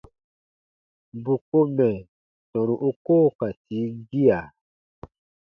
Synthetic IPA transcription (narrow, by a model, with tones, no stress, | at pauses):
bu˨ko˦mɛ̃˨ | tɔ̃˨ɾ̃ũ˨ʔu˦koː˦˨ka˨ti˨˦ɡi˦a˨